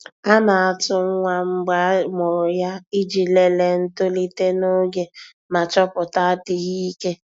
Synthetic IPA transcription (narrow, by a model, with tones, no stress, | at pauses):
a˦na˨a˨tʊ˦ŋ̩˦ŋʷa˦ŋ͡m̩˦ɡ͡ba˦mʊ˨ɾʊ˨ja˦i˦d͡ʒi˨le˨le˨n̩˦to˦li˦te˦no˦ɡe˦ | ma˨t͡ʃɔ˦pʊ˨ta˦a˦ti˦ɣi˦i˦ke˦